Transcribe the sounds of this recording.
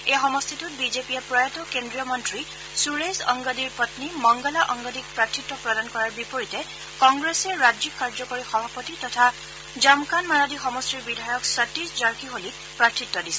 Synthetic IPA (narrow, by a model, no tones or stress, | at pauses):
exɔmɔst̪ʰitut̚bizepijapɹɔjɔtɔkendɹijɔmɔntɹi | suɹesɔ̰ŋɡɔdiɹpɔtnimɔŋɡɔlaʔɔŋɡɔdik̚pɹatʰːitːɔpɹɔdankɔɹaɹbipoɹitɛ | kɔŋɡɹesɛɹad͡ʒikːaɹd͡ʒɔkoɹixɔbʱapɔtitɔtʰa | zamkanmaɹadixɔmɔstɹiɹbidʱajɔksatisd͡ʒaɹkʰiɦolik | pɹatʰːitːɔdisɛ̥